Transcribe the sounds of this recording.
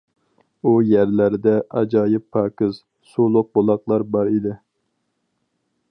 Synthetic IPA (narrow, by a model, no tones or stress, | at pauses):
ujæɾlæɾd̪ɛʔɑd͡ʒɑːjɪpʰːɑːkɨz̥ | sulˠʊq̚bolˠɑqlˠɑɾbɑɾid̪ɪ